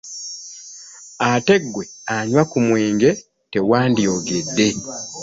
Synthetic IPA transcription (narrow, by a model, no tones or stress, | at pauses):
ate̞ɡːwe̞aɲwakumweːŋɡe̞ | te̞waːndjo̞ːɡe̞dːe̞